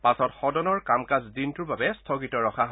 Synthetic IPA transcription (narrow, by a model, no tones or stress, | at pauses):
pasɔtxɔdɔnɔɹkamkazdintʊɹbabɛstʰɔɡitɔɹɔxʰaɦ